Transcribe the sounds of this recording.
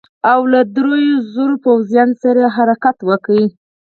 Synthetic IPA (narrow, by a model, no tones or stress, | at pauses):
awlad̪ɾojozoɾopawzjɑnsaɾaɦaɾakat̪wəkwi